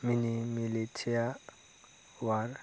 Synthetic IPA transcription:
minimilitʰia | war

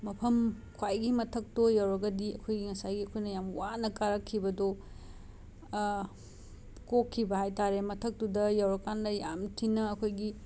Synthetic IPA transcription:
mɐpʰɐm | kʰwajɡimɐtʰɐk̚tojawɾɐɡɐdiɐkʰojɡiŋɐsajɡiɐkʰojnɐjamwanɐkaɾɐkʰːibɐdo | kokʰːibɐhajtaɾemɐtʰɐk̚tudɐjawɾɐkːandɐjamtʰinɐːkʰojɡi

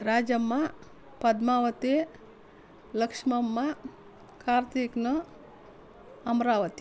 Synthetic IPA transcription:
ɾaːd͡ʒɐmːɐ | pɐd̪maːʋɐt̪e | lɐkʂmɐmːɐ | kʰaːɾt̪ʰiknɐ | ɐmɾaːʋɐt̪i̥

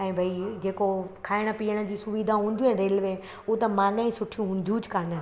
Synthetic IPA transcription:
ɛ̃ːbʱaid͡ʑeːkokʰaːɪɽ̃ə̆piːəɽ̃ə̆d͡ʑiːsʊʋiːd̪ʱaɦũːn̆d̪iẽɾeːlʋẽ | ʊɦot̪ɐmãːŋɡãĩsʊʈʰijũɦũːnd̪jũd͡ʑɪkaːnə

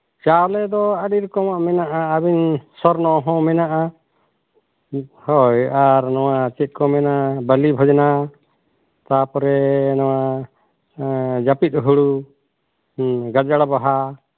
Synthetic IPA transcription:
t͡ʃalɛd̪ɔəɖiɾkɔmaʔmɛnaʔaəbinsɔɾnɔɦɔ̃mɛnaʔa | hɔjaɾnɔwat͡ʃɛt̪̚ˀkɔmɛnabəlibʱɔd͡ʒna | t̪apɔɾɛnɔwa | d͡ʒapit̪̚ˀɦuɽu | ɡad͡ʒaɽbaɦa

